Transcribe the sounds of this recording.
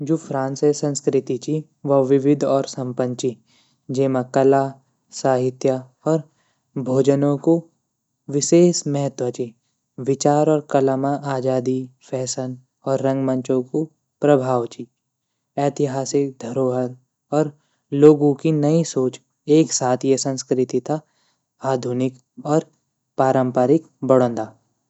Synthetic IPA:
d͡ʒoːfʰɾãːnsesə̃nskɾɪt̪it͡ʃi | ʋɐʋɪʋɪd̪ʱɔːɾsɐ̃mpə̃nt͡ʃi | d͡ʒeːmakɐla | saːɦɪt̪ja | ɔːɾ | bʱoːd͡ʒənõko | ʋɪʃeːsmɛɦət̪wət͡ʃi | ʋɪt͡ʃaːɾɔːɾkɐlamaʔaːd͡ʒaːd̪ifʰɛːsən | ɔːɾːɐ̃ŋɡmə̃ɲt͡ʃõko | pɾəbʱaːʋt͡ʃi | ɛːt̪ɪɦaːsɪk̚d̪ʱɐɾoːɦəɾ | ɔːɾ | loːɡõkinɐisoːt͡ʃ | eːksaːt̪ʰjesə̃nskɾɪt̪it̪ʰa | aːd̪ʱʊnɪk | ɔːɾ | paːɾə̃mpaːɾɪk | bɐɽ̤õːnd̪aː

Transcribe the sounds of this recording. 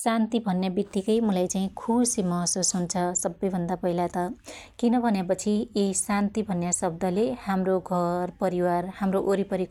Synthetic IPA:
sant̪ibʱʌnːjabid̪ʱikʌjmulajt͡saĩkʰusimʌɦʌsusɦunt͡sʰʌsʌbːʌjbʱʌnd̪apʌɦilat̪ʌkinʌbʱʌnjepʌt͡sʰiisant̪ibʱʌnjasʌb̚d̪ʱʌlehamroɡʱʌrpʌɾiwarhamroʔoɾipʌɾik

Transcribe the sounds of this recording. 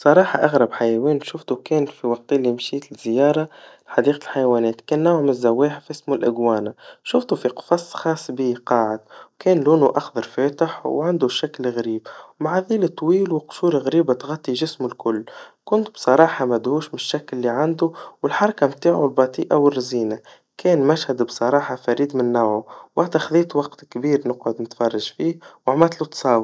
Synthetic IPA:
bsˤɑɾˤɑːħɑʔaɣɾˤɑbħajæwɛːnʃʊft̪ukɛːnfiwɑq̚t̪lːimʃiːt̪ɪzːɪjɑːɾˤɑlħɑd̪iːqlħajwæːnɛːt̪kɛːnːawhmɪzːæwːɛːħfʔɪsmʊlʔɪɡwɑːnaʃʊft̪ufiqfɑsˤːxɑːsˤːbiqɑːʕɪd̪̚wkɛːnluːnuʔaxd̪ɑɾˤfɛːt̪ɪħwʕand̪uʃaklɣɾiːbwmaʕaðiːlət̪ˤːwiːlwɪqʃuːɾɣɾiːbat̪ɣɑt̪ˤːiʒɪsmʊlkʊlːkʊnt̪bsˤɑɾˤɑːħɑmæd̪huːʃmɪnɪʃːæklːiʕand̪uwəlħɑɾˤɑkamt̪aːʕulbɑt̪ˤiːʔawɪrːziːna | kɛːnmæʃhad̪bsˤɑɾˤɑːħɑfæɾiːd̪mɪnːawʕuwat̪axðiːt̪wɑqt̪kbiːɾnəqʕʊd̪nɪt̪fɑrˤːɑʒfiːhwaʕmæt̪lut̪sˤɑːw

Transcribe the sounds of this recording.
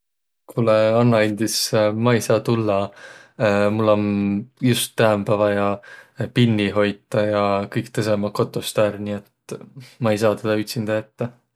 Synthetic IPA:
kʰuleɑnːɑinʲd̪̥ismɑejsɑːt̪ulːɑ | mulːo̞njust̪ːæmpævɑjɑpinʲːiɦo̞jt̪ːˑɑjɑkɯjk̚t̪ɤsemɑko̞t̪ˑːost̪æːɾniet̪mɑejs̬ɑːt̪eleyt̪ʲsind̪̥ɑet̪ːe

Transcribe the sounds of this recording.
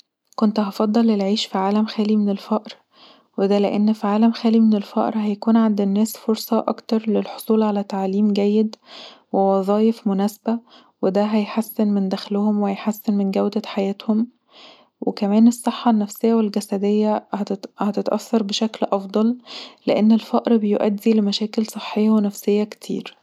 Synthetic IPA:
kont̪hɑfɑd̪ˤːɑlːelʕiːʃfiʕaːlæmxæːlimenelfæʔɾ | wed̪æleʔenːfiʕaːlæmxæːlimenelfɑ̰ːʔɾɦæjækuːnʕand̪enːæːsfoɾsˤɑʔɑ̰kt̪ɑɾˤlelħo̥sˤuːlʕalæt̪aʕaːliːmɡæjːed̪wewɑzˤɑːjefmonæːsbæ | wed̪æɦæjħasːenmend̪æxlohomwehæjħasːenmenɡæwd̪æħajæːt̪hom | wekæmæːnesˤːeħːɑnːæfsejːæwelɡæsæd̪ejːæhæhæt̪et̪ʔæ̰θːɑɾˤbeʃæklʔɑfd̪ˤɑllḛʔenːelfæʔɾbejoʔæd̪ːilemæʃæːkelsˤɨħːejːɑwenæfsejːæke̥t̪ʰḭːɾ

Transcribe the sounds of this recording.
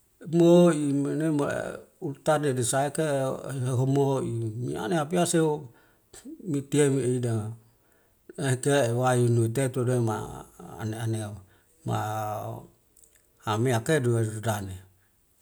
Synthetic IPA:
moimenema̰ | ult̪anedisaekeɦeɦomoimia̰neapiase | mit̪iemieidaŋa | akewajunuit̪̬et̪udema̰a̰neanea | ma̰ | ameakeduedane

